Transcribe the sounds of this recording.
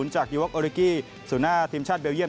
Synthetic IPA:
u˩˦nt͡ɕaː˨˩k̚di˧wa˦˥kʔoː˧ɾi˧kiː˥˩ | su˨˩˦naː˥˩t̪ʰiː˧mt͡ɕʰaː˥˩t̪̚beː˧wji˥˩˨

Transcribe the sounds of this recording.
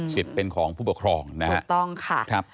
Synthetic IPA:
si˨˩t̪̚pe˧nkʰɔː˩˦ŋpʰuː˥˩pu˨˩kʰɾɔː˧ŋna˦ha̰˦˥ʔt̪ɔ˥˩ŋkʰa˥˩kʰɾa˦˥p̚

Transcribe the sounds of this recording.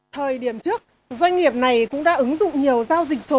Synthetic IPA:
t̪ʰəː˨˩jɗi˧˩əmt͡ɕɨ˦˥ək̚ | zwa˧jŋ̟ŋi˨˩əp̚na˨˩jkʊ̰˧˥ŋ͡mɗa̰ː˧˥ʔɨ˨˦ŋzʊ̰˧˨ŋ͡mɲi˨˩əwzaː˧wzi˨˩k̟̚so˨˦

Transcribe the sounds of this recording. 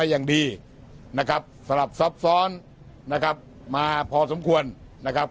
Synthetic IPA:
a˧jaː˨˩ŋdiː˧ | na˦˥kʰa˦˥p̚sa˧la˨˩p̚sa˦˥p̚sɔː˦˥n | na˦˥kʰa˦˥p̚ | maː˧pʰɔː˧so˩˦mkʰu˧ənː | a˦˥kʰa˦˥p̚

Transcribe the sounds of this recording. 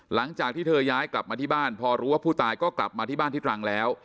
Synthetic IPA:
la˩˦ŋt͡ɕaː˨˩k̚t̪ʰiː˥˩ɤː˧jaː˦˥jkla˨˩p̚maː˧t̪ʰiː˥˩aː˥˩npʰɔː˧ɾuː˦˥waː˥˩pʰuː˥˩t̪aː˧jkɔː˥˩kla̰˨˩p̚maː˧t̪ʰiː˥˩baː˥˩nʰiː˥˩t̪ʰɾa˧ŋlɛː˦˥w

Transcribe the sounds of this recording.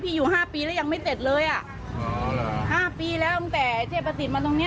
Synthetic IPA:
pʰiː˧juː˨˩ɦaː˥˩piː˧lɛː˦˥˩ja˧ŋma˥˩jse˨˩t̪̚lɤː˧jʔa˨˩ʔ | haː˥˩piː˧lɛː˦˥wʔɯ˧˥t̪ɛː˨˩t͡ɕʰaː˥˩pʰːa˧s̬i˨˩t̪̚maː˧t̪o˧ŋni˦˥

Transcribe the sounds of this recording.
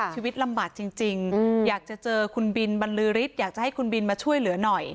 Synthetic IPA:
t͡ɕʰiː˧wi˦˥t̪̚la˧mbaː˨˩k̚t͡ɕi˧ŋt͡ɕi˧ŋjaː˨˩k̚t͡ɕa˨˩t͡ɕɤː˧kʰu˧nbi˧nba˧nlɯː˦˥ɾi˦˥t̪̚jaː˨˩k̚t͡ɕa˨˩ha˥˩jkʰu˧nbi˧nmaː˧t͡ɕʰu˥˩əjlɯ˩˦ɐnɔ˨˩j

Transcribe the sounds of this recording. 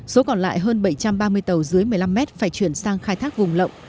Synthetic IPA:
so˨˦kɔ˨˩nla̰ː˧˨jɦəː˧nɓə˧˩jt͡ɕa˧mɓaː˧mɨ˧əjt̪ə˨˩wzɨ˨˦əjmɨ˨əjla˧mːɛ˦˥t̚faː˧˩jt͡ɕwi˧˩ənsaː˧ŋxaː˧jt̪ʰaː˦˥k̚vʊ˨˩ŋ͡mlə̰˧˨ŋ͡m

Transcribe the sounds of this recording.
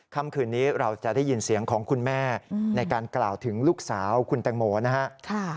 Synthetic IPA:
kʰa˥˩mkʰɯː˧nːiː˦˥ɾa˧wt͡ɕa˨˩ʔdaː˥˩ji˧nsi˩˦əŋkʰɔː˩˦ŋkʰu˧nmɛː˥˩na˧jkaː˧nklaː˨˩wt̪ʰɯ˩˦ŋluː˥˩k̚saː˩˦wkʰu˧nt̪ɛː˧ŋmoː˧na˦˥ha˦˥ʔkʰa˥˩

